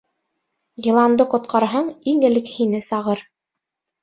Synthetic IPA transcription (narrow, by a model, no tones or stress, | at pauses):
jĭlˠɑnd̪ɤqŏt̪̚qʰɑɾɦɑɴiŋɘ̆lɘkhinɘsɑʁɤɾ